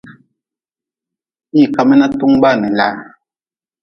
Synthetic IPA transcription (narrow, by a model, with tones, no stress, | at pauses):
i˦˨ka˨mɛ˦na˦tu˦ŋ˦ba˦˨nɛ˨la˦